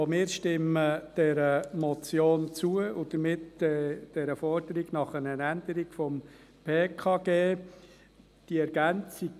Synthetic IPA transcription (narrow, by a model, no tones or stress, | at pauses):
omɪːɾʃtɪməd̥ɛɾəmɔt͡sjoːnt͡suəʊd̥əmɪtɛd̥ɛɾəfɔɾd̥əɾiɡnɑχənənænd̥əɾiɡ̥fɔm | pʰeːkʰɑːɡ̥eː | d̥iɛɾɡ̥ænt͡siɡ